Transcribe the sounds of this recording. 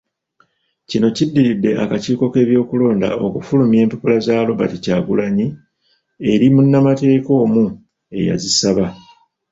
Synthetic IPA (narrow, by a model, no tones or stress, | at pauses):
cino̞cidːiɾidːe̞ʔakaciːko̞ke̞ːβjo̞ːkulo̞ːnda̰o̞kufulumje̞ːmpepulazaːlo̞βa̰ticaːɡulaɲi | e̞ɾimunːamate̞ːko̞ːmu | e̞̰ja̰zisaβa